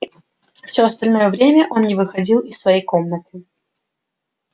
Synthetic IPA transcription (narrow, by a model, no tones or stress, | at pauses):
fsʲɵɐst̪ɐlʲno̞jəvɾʲemʲəʔo̞nnʲɪvɨxɐdʲilˠɪsːvɐjejko̞mnət̪ɨ